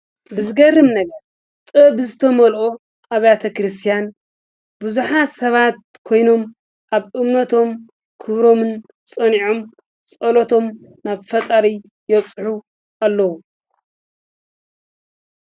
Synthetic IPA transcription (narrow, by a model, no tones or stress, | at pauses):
bɨzɨɡɐrːɨmnɐɡɐɾ | t̪ʼɨbɨzɨt̪ʰɐmɐlʔo | ʔaβjat̪ʰɐkɾɨst̪ʰijan | bɨzuħasɐβat̪̚ | kʰo̞jno̞m | ʔaβʔɨmnɐt̪ʰo̞m | kʰɨβɾo̞mɨn | sʼɐniʕom | sʼɐlot̪ʰo̞mnaβfɐt̪ʼɐɾi | jɛβsʼħu | ʔalːɐwu